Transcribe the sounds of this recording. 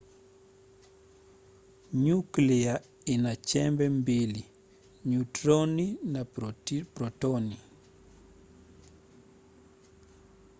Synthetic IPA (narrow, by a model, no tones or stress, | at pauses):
ɲuklia | inat͡ʃɛmbɛmbili | ɲutɾoninapɾɔtɔni